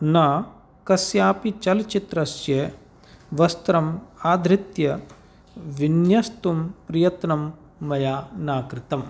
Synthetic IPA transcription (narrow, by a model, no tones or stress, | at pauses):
naː | kɐsjaːpit͡ʃɐlt͡ʃit̪ɾɐsjeː | ʋɐst̪ɾɐmaːd̪ʱɾɪt̪jɐ | ʋinjɐst̪umpɾijɐt̪nɐmː | ɐjaːnaːkɾɪt̪ɐm